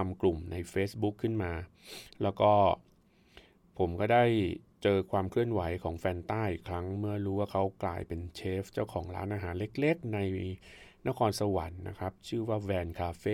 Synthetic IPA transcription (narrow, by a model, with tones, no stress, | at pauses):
a˧mklu˨˩mna˧jfeː˦˥sbu˦˥kʰːɯ˥˩nmaː˧ | lɛː˦˥wkɔː˥˩ | pʰo˩˦mkɔː˥˩daː˥˩jt͡ɕɤː˧kʰwaː˧mkʰlɯ˥˩ənwa˩˦jkʰɔː˩˦ŋfɛː˧nt̪aː˥˩jʔi˨˩kʰɾa˦˥ŋmɯ˥˩ɐɾuː˦˥waː˥˩kʰa˦˥wkla̰ː˧jpe˧nt͡ɕʰeː˦˥ft͡ɕaː˥˩wkʰɔː˩˦ŋɾaː˦˥nʔaː˧ɦaː˩˦nle˦˥k̚le˦˥k̚na˧jna˦˥kʰɔː˧nsa˧wa˩˦nːa̰˦˥kʰa˦˥p̚t͡ɕʰɯː˥˩waː˥˩wɛː˧nkʰaː˧feː˧˥˩